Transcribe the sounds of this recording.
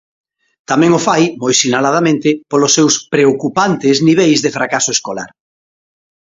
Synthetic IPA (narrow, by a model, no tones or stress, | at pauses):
t̪amɛ̃ŋʊfajmojsinalað̞amẽnt̪ɪpolʊsːewspɾeokupant̪ɪzniβ̞ejzðefɾakasoeskola̰ɾ